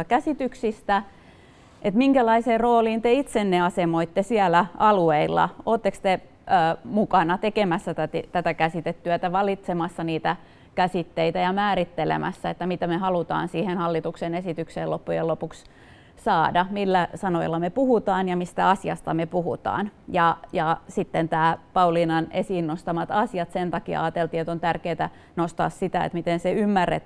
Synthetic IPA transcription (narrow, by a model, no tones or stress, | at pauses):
kæsit̪yksist̪æ | ʔet̪miŋkælɑiseːrroːliːnt̪eit̪senːeɑsemoit̪ːesiælæʔɑlueilːɑ̰oːt̪ːekst̪e | əːmukɑnɑt̪ekemæsːæt̪æt̪it̪æt̪ækæsit̪et̪ːyæt̪æʋɑlit̪semɑsːɑniːt̪æ | kæsit̪ːeit̪æjɑmæːɾit̪ːelḛmʔæ̰sːæet̪ːæmit̪æmehɑlut̪ɑ̰ːnsiːhenhɑlːit̪uksenesit̪ykseːlopːujḛlopuks | sɑːdɑmilːæsɑnoḭlːɑmepuhut̪ɑːnjɑmist̪æɑsiɑ̰st̪ɑmepuhṵt̪ɑ̰ːnjɑjɑsit̪ːent̪æːpɑulinɑnesinːost̪ɑmɑt̪ɑsiɑt̪sent̪ɑkiɑ̰ɑːt̪elt̪iːet̪ont̪ærkeːt̪æ | nost̪ɑ̰ːssit̪æḛt̪mit̪enseymːærːḛt̪